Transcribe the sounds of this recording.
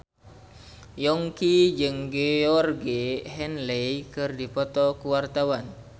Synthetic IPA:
jɔŋkid͡ʒɨŋɡeɔrɡeɦɛnlejkɨrdipɔt̪ɔkuwart̪awan

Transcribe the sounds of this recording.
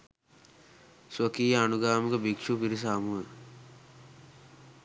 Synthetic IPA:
səkiːanuɡaːməkəbikʂupiɾis̬aːmuɦə

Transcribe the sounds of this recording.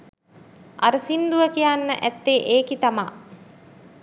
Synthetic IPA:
ʔa̰ɾəsind̪uʋəkijanːə̰ʔæt̪ːeːʔeːkit̪ama

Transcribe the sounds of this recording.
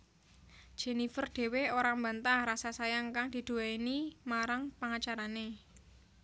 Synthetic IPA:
d̥ʒ̥e̤nifərd̥e̤weoɾambant̪ahrasasajaŋkaŋd̪̥i̤d̪̥ṳainimaɾaŋpaŋat͡ʃaɾane

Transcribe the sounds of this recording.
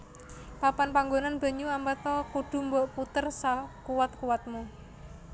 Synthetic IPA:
papanpaŋɡonanb̥ə̤ɲuambat̪ɔkuɖ̪̥ṳmbɔʔput̪ərsakuwat̪̚kuwat̪̚mu

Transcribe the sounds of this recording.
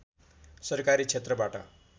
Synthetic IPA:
sʌɾkaɾit͡ʃʰet̪ɾʌbaʈa̰

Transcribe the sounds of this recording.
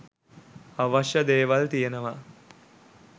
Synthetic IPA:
aʋaʃjəd̪eːʋalt̪ijenəʋa

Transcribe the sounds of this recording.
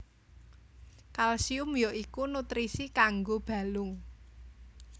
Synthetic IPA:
kalsiʊmjɔʔikunut̪ɾisikaŋɡob̥a̤lʊŋ

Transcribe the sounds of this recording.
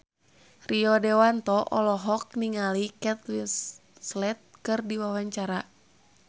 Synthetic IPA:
riɔdɛwant̪ɔʔɔlɔɦɔk̚niŋalikɛt̪linslɛt̪̚kɨrdiwawaɲt͡ʃaɾa

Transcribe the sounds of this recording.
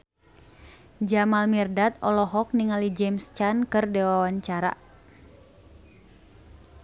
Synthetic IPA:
d͡ʒamalmirdat̪ɔlɔɦɔk̚niŋalid͡ʒɛmst͡ʃankɨrdɛwawaɲt͡ʃaɾa̰

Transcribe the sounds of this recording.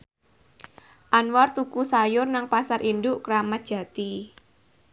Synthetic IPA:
ʔanwɔrt̪ukusajʊrnaŋpasaɾʔindʊʔkɾamat̪̚d̥ʒ̥ä̤t̪i

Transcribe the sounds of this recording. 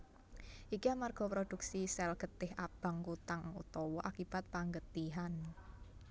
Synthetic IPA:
ʔikiamarɡ̥ɔ̤pɾod̪̥ṳksisɛlɡ̥ət̪ɪhʔab̥a̤ŋkut̪aŋṵt̪ɔwɔʔakib̥a̤t̪̚paŋɡət̪iɦan

